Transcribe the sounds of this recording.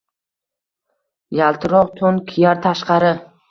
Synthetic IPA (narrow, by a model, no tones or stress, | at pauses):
jalˠt̪ʰɪɾɒqt̪ʰonkʲʰijaɾt̪ʰaʃqɑɾɪ